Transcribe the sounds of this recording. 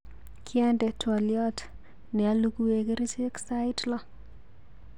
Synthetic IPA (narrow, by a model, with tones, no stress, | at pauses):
kʰiɛndɛ˨twɔ˨ljɔt | nɛ˨aluku˦we˨ke˦ɾi˦t͡ʃe˦ksa˦jitlɔ˦